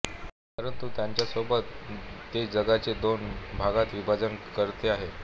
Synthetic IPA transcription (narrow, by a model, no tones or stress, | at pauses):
pəɾənt̪ut̪jaɲt͡ɕjasobʱət̪ːed͡ʑəɡat͡sed̪onbʱaɡat̪ʋibʱad͡zənkəɾt̪eaɦe